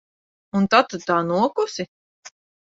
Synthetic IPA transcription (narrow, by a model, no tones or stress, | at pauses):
unt̪at̪ːut̪ːaːnuɔkusi